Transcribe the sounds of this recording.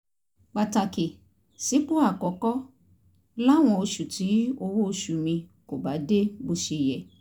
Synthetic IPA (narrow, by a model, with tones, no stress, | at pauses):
k͡pa˨ta˨ke˨ | si˨˦k͡po˦a˦˨kɔ˨˦kɔ˦ | la˦˨w̃ɔ̃˧o˧ʃu˨ti˨˦o˧wo˦o˧ʃu˨mĩ˧ko˨ba˨˦de˦bo˧ʃe˧˨jɛ˨